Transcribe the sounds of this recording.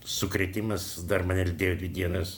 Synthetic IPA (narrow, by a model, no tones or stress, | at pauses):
sʊkɾʲɛt̪ʲɪmɐs | d̪ɐrmɐɑːnʲɛlʲɪd̪ʲeːjoːd̪ʲʋʲɪd̪ʲiɛnɐs